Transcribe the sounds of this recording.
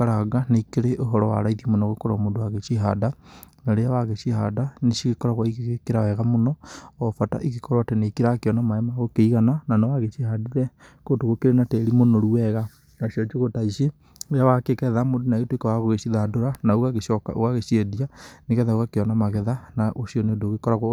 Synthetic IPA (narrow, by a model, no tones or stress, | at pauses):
aɾaɡaneikeɾeʔoɦɔɾɔwa̰ɾaiðimonɔɣokoɾamodowaɣet͡ʃiɦa̰danaɾeawaɣeʃiɦa̰daneʃiɣekɔɾaɣwaiɣeɣekeɾawɛɣamonɔɔfata̰ʔiɣekɔɾwatɛneikeɾakeɔnamaɛmaɣokeiɣanananawaɣet͡ʃihadiɾɛ | kodoɣokeɾenatɛɾimonoɾuwɛɣa | naʃiɔt͡ʃoɣotaiʃe | ɾeawakekɛðamodonaɣetwekawaɣoɣeʃiðadoɾanauɣaɣeʃɔka̰o̰ɣaɣeʃiedianeɣɛðaoɣakeɔnamaɣɛðanaʔoʃiɔnedoɣekɔɾaɣa